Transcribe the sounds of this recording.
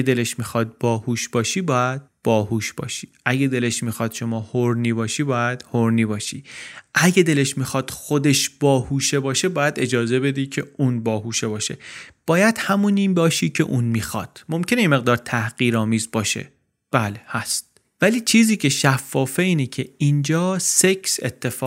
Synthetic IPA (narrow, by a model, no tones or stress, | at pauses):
ed̪e̞leʃmixɒːd̪̚bɒːhuːʃb̥ɒːʃiːbɒːjæd̪̥̚b̥ɒːhuːʃb̥ɒ̰ːʃi̥ːʔæɡed̪e̞le̞ʃmixɒːd̪̥ʃo̞mɒːhoɾniːbɒːʃiːbɒːjæd̪̥hoɾniːbɒːʃiːʔæɟed̪e̞le̞ʃmixɒːd̪̥xod̪e̞ʃb̥ɒːhuːʃe̞bɒːʃe̞bɒːjæd̪e̞d͡ʒɒːze̞be̞d̪iːcʰe̞uːnbɒːɦuːʃe̞bɒːʃe̞̰b̥ɒːjæd̪̥hæmuniːnbɒːʃiːcʰe̞ʔuːnmiːxɒ̰d̪̥mo̞mcʰenejeme̞ɣd̪ɒːɾt̪ʰæhɢ̥iːɾɒːmiːzbɒːʃḛ | b̥æːlehæst̪̚ | væliːt͡ʃʰiːziːcʰe̞ʃæfːɒːfeiːnecʰe̞ind͡ʒɒːseksḛt̪ʰːe̞fɒː